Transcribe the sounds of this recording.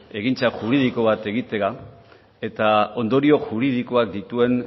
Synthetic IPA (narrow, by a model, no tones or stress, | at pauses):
e̞ɣint͡saʝuɾið̞iko̞β̞at̪e̞ɣit̪e̞a | e̞t̪ao̞nd̪o̞ɾio̞ʝuɾið̞iko̞akd̪it̪ue̞n